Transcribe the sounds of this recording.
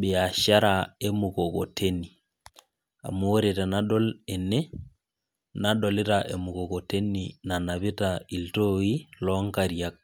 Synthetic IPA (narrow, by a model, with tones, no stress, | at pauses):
be˨a˨ʃa˦ɾa˨e˦mu˨ko˨ko˨tʰe˦ni˨ | a̰˨mu˨o˦ɾe˨ta˨na˦ɗo˦le˨ne˦ | na˦ɗo˨lɪ˦taʔe˨mu˨ko˨ko˨te˦nina˨na˨βi˦tai˨lto˦i˦lɔ˦ŋka˦ɾja˦k̚